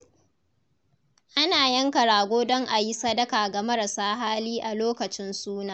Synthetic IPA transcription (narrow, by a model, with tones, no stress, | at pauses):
ʔa˦naː˨jɐ˦ŋkɐ˨ɽaː˨ɡʷoː˦dɔ˦ŋʔa˨ji˦sɐ˦dɐ˦kaː˨ɡa˨mɐ˦ɾa˨saː˦ɦaː˦liː˦ʔa˨loː˦kɐ˨t͡ʃɪ˦nsuː˦naː˨